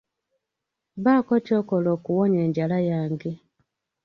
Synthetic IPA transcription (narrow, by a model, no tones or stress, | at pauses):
βaːkoco̞ːkolokuwoɲeːɲɟalajaːŋɡe